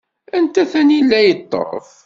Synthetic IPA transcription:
ænt̪æθænjəlːæjət̪ˤːə̰ʁ̰ˤf

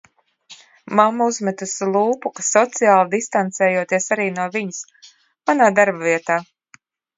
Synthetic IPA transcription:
mamːauzmɛt̪uslˠuːpukasɔt̪sijaːlˠid̪ist̪ant̪sɛːjuɔt̪iɛsaɾiːnuɔviɲus | manaːd̪aɾbaviɛt̪aː

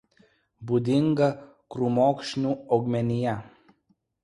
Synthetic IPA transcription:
bud̪ʲɪŋɡɐ | kɾuːmoːkʃʲnʲuːɐʊɡmʲɛnʲɪjɛ

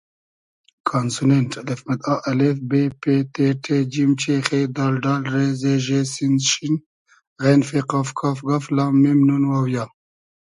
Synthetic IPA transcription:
kʰaːnsunenʈʰalefmɐt̪ɑʔɐlefbepeʈ̪eʈʰed͡ʒimt͡ʃexed̪ɑːlɖaːlɾezeʒesinʃin | ɣenfeqafkʰafɡaflaːmːimnunwawja

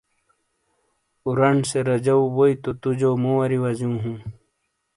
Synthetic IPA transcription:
uɾɐɳseɾɐd͡ʑɐwwoit̪ot̪ud͡ʑomowɐɾiwɐzũːɦũː

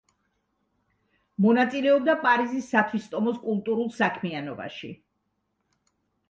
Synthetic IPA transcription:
mɔnat̪sʼilɛɔb̚d̪apʼaɾizisːat̪ʰwist̪ʼɔmɔskʼulˠt̪ʼuɾulˠsakʰmianɔba̰ʃḭ

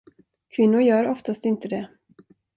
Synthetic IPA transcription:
kʰvɪnːʊɾjœːɾɔft̪ast̪ɪnt̪əd̪ɛ

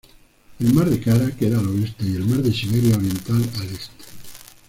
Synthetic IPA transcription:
elmaɾðekaɾakeðaloest̪aie̞lmaɾðeʃiβeɾjaoɾje̞nt̪alalest̪e̥

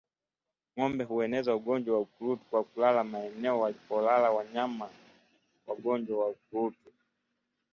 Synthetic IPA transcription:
ŋɔmbɛɦuɛnɛzauɠɔɲd͡ʒwawaukulutu̥kwakulalamaɛnɛɔwalipɔlalawaɲama | waɠɔɲd͡ʒwawaukuɾutu

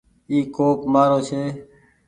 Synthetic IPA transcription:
iːkoːkmaːɾoːt͡ʃʰeː

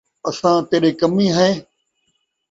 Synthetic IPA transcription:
əsãːt̪eːɗeːkəmĩːɦəẽː

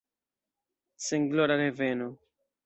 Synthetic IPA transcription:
seŋɡloɾaɾeveno

